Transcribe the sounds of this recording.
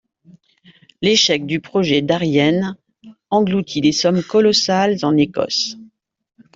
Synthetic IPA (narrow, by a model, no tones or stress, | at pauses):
leʃɛk̚d̪ypχɔʒɛd̪aʁjɛn | ɑ̃ɡlut̪ʰid̪esɔmkɔlɔsalzɑ̃nekɔ̰s